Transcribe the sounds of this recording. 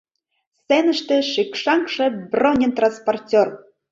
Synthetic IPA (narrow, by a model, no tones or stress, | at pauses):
senə̆ʃt̪ĕʃikʂɑŋkʂĕbronʲent̪ransportʲor